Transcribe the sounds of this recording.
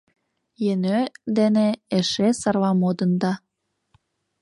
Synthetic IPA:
jenød̪eneeʃesɑrlɑmod̪ənd̪ɑ

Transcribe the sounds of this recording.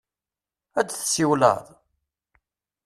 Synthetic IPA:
æd̪θsiwlə̰ðˤ

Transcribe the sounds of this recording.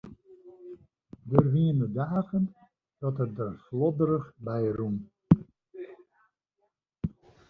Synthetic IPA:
dərʋiənədaːɣən | d̥ɔtədərslɔdəɾəxbɛjrum

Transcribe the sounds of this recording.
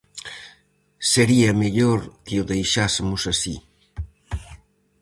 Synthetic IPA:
seɾiɐmeʎoɾkeʊðejʃasɪmʊsasi

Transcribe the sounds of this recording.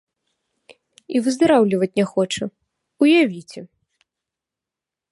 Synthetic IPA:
ivɨzd̪aɾawlʲivɐt͡sʲnʲɛxɔt͡ʂɐ | ujavʲit͡sʲɛ

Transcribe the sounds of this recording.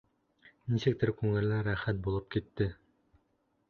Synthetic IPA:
nisɘk̚t̪ɘɾkʉŋɘ̆lːæɾæχæt̪̚bulˠɤp̚kit̪ːɘ

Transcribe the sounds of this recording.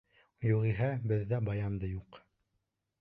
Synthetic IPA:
juʁiɦæbɘðːæbɑjɑmd̪ɤjuq

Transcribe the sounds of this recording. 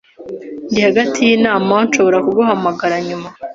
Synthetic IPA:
ndihaɡatʰijiːnaːmaonʃo̞βo̞ɾakuɡoɦamaɡaɾaɲuma

